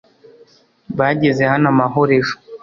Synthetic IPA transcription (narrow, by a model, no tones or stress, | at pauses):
βaɟezehanamaɦoɾeʃo̥